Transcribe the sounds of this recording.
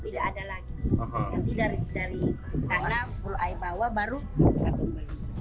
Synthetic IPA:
t̪idaadalaɡiɦjaŋt̪idadaɾi | sanakuloʔaibawabaɾu | kat̪ɔnbaɾu

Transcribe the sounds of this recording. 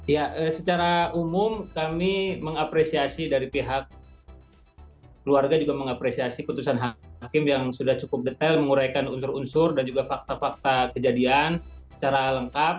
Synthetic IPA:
jaʔəsət͡ʃaɾaumʊmkamiməŋapɾesiasidaɾipiɦak̚ | əluarɡad͡ʒuɡaməŋapɾesiasiput̪usanɦakɪmjaŋsudaht͡ʃukʊp̚dət̪ɛlməŋuɾajkanunsʊɾunsʊrdand͡ʒuɡafak̚t̪afak̚t̪akəd͡ʒadiansə̥t͡ʃaɾaləŋkap̚

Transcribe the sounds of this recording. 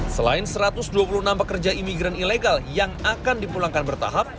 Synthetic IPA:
səla̰ɪnsəɾat̪ʊsduapuluənampəkərd͡ʒaimiɡɾanileɡaljaŋakandipulaŋkanbərt̪a̰ɦap̚

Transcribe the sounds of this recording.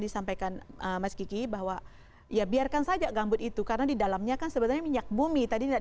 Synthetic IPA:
disampajkanʔəmaskikibaɦwa | jabiarkansad͡ʒaɡambʊt̪̚it̪ukaɾənadidalamɲakansəbət̪alɲamiɲak̚bumit̪adina

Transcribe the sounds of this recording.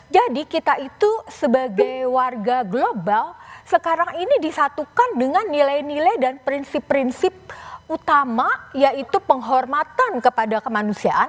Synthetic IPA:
d͡ʒadikit̪aʔit̪usəbaɡajwarɡaɡlobalsəkaɾaŋinidisat̪ukandəŋanːilajnilajdanpɾinsɪpːɾinsɪp̚ut̪amajaʔit̪upəŋɦɔrmat̪ankəpadakəmanusiaʔan

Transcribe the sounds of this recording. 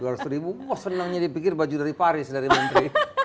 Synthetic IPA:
uaɾusɾibuasənəŋɲadipikɪrbad͡ʒudaɾipaɾɪsdaɾimənt̪ɾi

